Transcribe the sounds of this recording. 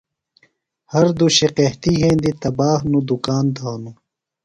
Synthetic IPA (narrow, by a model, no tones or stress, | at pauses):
hɐɾd̪uɕeqeht̪iɦẽːnd̪it̪ɐbaːɦnud̪ukaːnd̪aːnu